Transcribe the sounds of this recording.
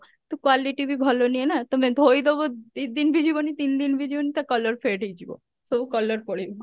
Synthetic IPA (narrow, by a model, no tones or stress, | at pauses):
t̪ukwaliʈibʱibʱɔlonienat̪ɔmẽd̪ʱojd̪ebod̪id̪inbʱid͡ʒʱibonit̪ind̪inbʱid͡ʒʱibonit̪akɔləɾpʰeɖʱed͡ʒibo̰ | sobukɔləɾpɔɽ̤ib